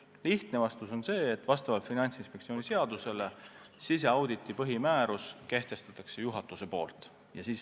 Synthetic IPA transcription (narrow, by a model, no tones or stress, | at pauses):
liht̪nevɑst̪uso̞nse̞ːt̪ːˑvɑst̪ɑvɑlt̪finɑnʲt̪sinspekt̪sioːnʲise̞ɑd̪̥use̞le̞ | sise̞ɑwd̪̥it̪ːˑipɤɦimæːɾuske̞ht̪e̞st̪ɑt̪ːˑɑkse̞juɦɑt̪ːˑuse̞po̞̰ːlt̪ˑ | jɑ̰siːs